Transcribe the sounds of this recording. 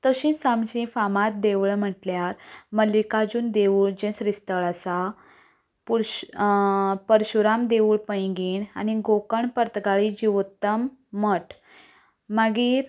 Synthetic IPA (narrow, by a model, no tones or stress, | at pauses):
t̪əɕĩsamɕĩfamat̪̚d̪eʋɭm̤əʈljaɾməlikad͡ʑuːnd̪euːɭd͡ʑẽsɾist̪əɭasa | puɾ | pəɾɕuɾamd̪eʋuːɭpəjɡiːɳa̰niɡokəɳpəɾt̪ɡaɭid͡ʑiʋt̪ːəmːəʈ | məɡiːɾ